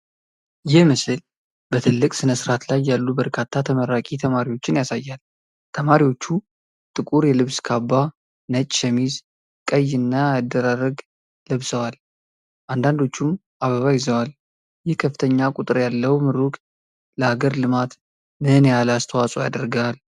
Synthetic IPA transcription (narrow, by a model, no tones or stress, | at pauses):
jɪmɨsɨl | bət̪ʰɨlːɨkʼsɨnəsɨɾat̪lajːalːubəɾkʰat̪ʰːat̪ʰəməɾːakʼit̪ʰəmaɾiwo̞t͡ʃːɪnjasajːal | t̪ʰəmaɾiwo̞t͡ʃːu | t̪ʼɨkʼuɾjɛlɨβskʰabːa | nət͡ʃʼʃəmiz | kʼəjːɨnːaad̪ːəɾaɾəɡ | ləβsəwal | ʔand̪and̪o̞t͡ʃːum | ʔaβəβajɪzəwal | jɪhkʰəfːɨ̥t̪ʰəɲːakʼut̪ʼɨɾjalːəwmɨɾukʼ | ləaɡəɾlɨmat̪ | mɨnjalast̪ʰəwasʼojad̪əɾɡaal